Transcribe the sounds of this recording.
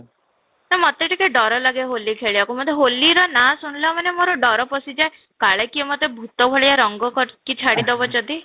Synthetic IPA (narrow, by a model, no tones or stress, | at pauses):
namɔt̪eʈikeɖɔɾɔlaɡeɦolikʰeɭiakumɔt̪ʰeɦoliɾɔnasunleɔmanemoɾɔɖɔɾɔpɔsid͡ʒae | kaɭekiɔmɔt̪ebʱut̪ɔbʱɔɭejaɾɔŋɡɔkɔɾkit͡ʃʰaɽid̪ɔbɔd͡ʒɔd̪i